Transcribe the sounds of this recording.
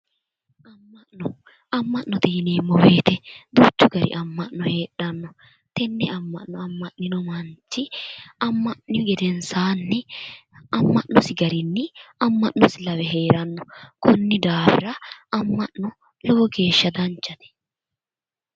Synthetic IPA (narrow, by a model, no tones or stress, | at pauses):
ʔɐmːɐnɔ | ɐmːɐʔːɔt̪iːneːmːɔwe̞ːt̪ɛd̪uːt͡ʃːʊɡɐɾɪ̰ʔɐmːɐʔnɔhe̞ːᶑːɐnːɔ | t̪ɛnːɛɐmːɐ̰ʔnɔɐmːɐʔnɪnɔmɐnt͡ʃːɪɐmːɐʔnɪɡɛd̪ɛnsaːnːɪ | ɐmːɐʔnɔsɪɡɐɾɪnːɪɐmːɐʔnɔsɪlɐwɛɦe̞ːɾɐnːɔkɔnːɪd̪aːbɪɾɐɐmːɐʔnɔ | loːɔɡe̞ːʃːɐd̪ɐnt͡ʃːɐt̪ɛ̥